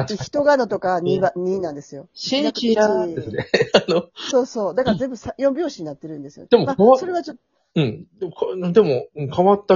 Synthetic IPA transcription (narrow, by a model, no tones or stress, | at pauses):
çi̥t̪o̞ɡano̞t̪o̞kaɲiaɲ̟iːnãnd̪e̞sɨjo̞ɕiid̪esɨneanoso̞ːso̞ːd̪akaɾazẽ̞mbɯ̟sãjõmbʲjoːɕiɲ̟inat̪ːe̞ɾɯ̟̃nd̪e̞sɨjo̰ed̪emomaso̞ɾe̞β̞at͡ɕo̞t̪ː | ɯ̟̃ɴd̪kd̪e̞mo̞ɯ̃kaβat̪ːa